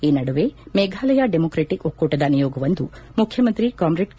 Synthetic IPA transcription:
iːnɐɽuʋemɛːɡʱaːlɐjɐɖemoːkɾeʈikokːuʈːɐd̪ɐnijɔːɡɐʋɐnd̪u | mukʰjɐmɐnt̪ɾikaːmɾeʈ

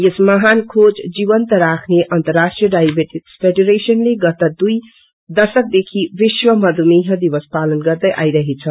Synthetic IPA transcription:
jesməɦankʰod͡ʒd͡ʒibənt̪əɾakʰneʔənt̪əɾːasʈɾijəɖajbeʈikspʰeɖuɾesənleɡʌt̪əd̪uj | d̪əsək̚d̪ekʰiʋiʃwəmʌd̪ʱumiɦə̃d̪ibəspalənɡʌɾd̪əjʔa̰iɾəɦet͡sʰə

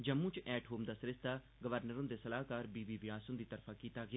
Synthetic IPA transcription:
d͡ʒəmːũːt͡ʃʔɛːʈɦoːmd̪aːsəɾɪst̪aː | ɡəʋəɾnəɾõnd̪eːsəlaːkaːɾbiːbiːʋɪaːsʊ̃nd̪iːt̪əɾpʰaːkiːt̪aːɡɪaː

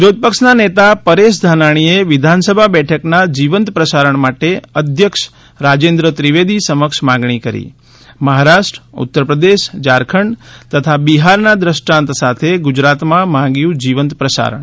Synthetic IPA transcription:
ɾod̪̚pəkʃnanet̪apəɾeʃ̬d̪ʱanaɽ̃ieʋɪd̪ʱansəbʱabɛʈʰəknad͡ʒiʋənt̪pɾəsaɾəɳmaʈeəd̪ʱjəkʃ | ɾad͡ʒend̪ɾət̪ɾiʋed̪ʱisəməkʃmãɡɳ̃ikəɾḭ | məɦaɾaʃʈɾəṵt̪ːəɾpɾəd̪eʃd͡ʒaɾkʰəɳt̪ət̪ʰabiɦaɾnad̪ɾəʃʈãnt̪sat̪ʰeɡʊd͡ʒɾat̪mãmãŋɡjũd͡ʒiʋənt̪pɾəsa̰ɾə̰ɳ

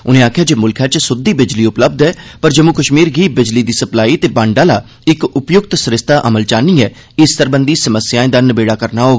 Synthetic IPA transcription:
ʊnẽːaːkʰjaːd͡ʒeːmʊlkʰjaːt͡ʃsʊd̪iːbɪd͡ʒliːʊpləb̚d̪ɛːpəɾd͡ʒəmuːkəʃmiːɾɡiːbɪd͡ʒliːd̪iːsəplaːiːt̪eːbãːɳɖaːlaː | ɪkʊpjʊk̚t̪sɾɪst̪aːʔəməlt͡ʃaːniːɛː | ɪst̪əɾbənd̪iːsəməsjaːẽːd̪anəbeːɽaːkəɾnaːɦoːɡaː

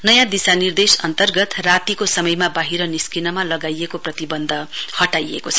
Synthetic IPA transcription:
nʌjãd̪isanird̪esʌnt̪ʌrɡʌt̪rat̪ikosʌmʌjmabaɦiɾʌniskinʌmalʌɡajekoprʌt̪ibʌnd̪ʱʌhʌʈajḛkot͡sʰʌ

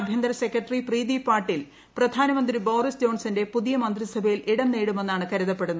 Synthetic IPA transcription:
bʱjɐnd̪ɾɐsekːrɐʈɐripriːðipaːrʈːil | prɐd̪ʱaːnɐmɐnd̪ribo̞ːɾisd͡ʑo̞ːɳsɐnde̞puðijɐmɐnd̪risɐbʱɐjilʔiɽɐmneːɽume̞nːaːɳɨkɐɾiðɐpːe̞ɽunːu

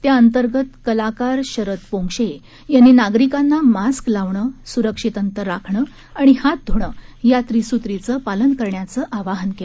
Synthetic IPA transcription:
t̪jaənt̪əɾɡət̪kəlakaɾɕəɾət̪põŋʂe | janːiːnaɡɾikanːamasklaʋɳəːsuɾəkʂit̪ənt̪əɾːakʰɳə | aɽ̃ihat̪̚d̪ʱoɽ̃əːjat̪ɾisut̪ɾit͡səpalənkəɾɳjat͡səʔaʋaɦənkel

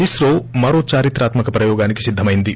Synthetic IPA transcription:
isɾoːmɐɾo̞ːt͡ʃaːɾit̪ɾaːt̪mɐkɐpɾɐjɔːɡaːniki̥sid̪ʱːɐmɐjind̪i

